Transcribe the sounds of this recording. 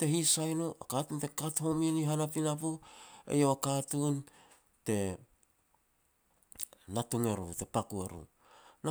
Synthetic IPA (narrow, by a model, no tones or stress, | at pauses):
te̞hisajnoʔakatunte̞katho̞miniɦanapinapuḛjoakatun | te̞ | natuŋe̞ɾṵte̞pakuḛɾṵ | na